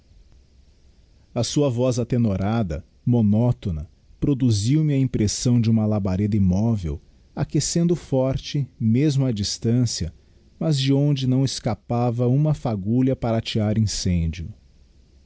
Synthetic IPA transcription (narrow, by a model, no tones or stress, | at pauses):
ɐsuɐvɔzat̪enoɾad̪ɐ̰ | monɔt̪onɐ | pɾod̪uziwmɪɐĩpɾesɐ̃w̃d͡ʒɪũmɐlabaɾed̪ɐimɔvḛw | akesẽnd̪ʊfɔɾt͡ʃɪmezmʊɐd͡ʒist̪ɐ̃siɐ | mɐzd͡ʒɪõnd͡ʒɪnɐ̃w̃eskapavɐũmɐfaɡuʎɐpaɾɐat͡ʃiɾaɾĩsẽd͡ʒiʊ̰